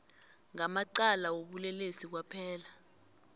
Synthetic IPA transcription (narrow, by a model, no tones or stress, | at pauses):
ŋamaǀalawoɓulɛlesik̬wapʰɛːla